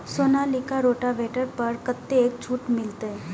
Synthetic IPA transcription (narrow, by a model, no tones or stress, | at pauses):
soːnaːlɪkaɾoːʈaʋeːʈəɾpɐɾkət̪ːeeːkt͡ʃʰuːʈmɪlt̪eɦɛ̃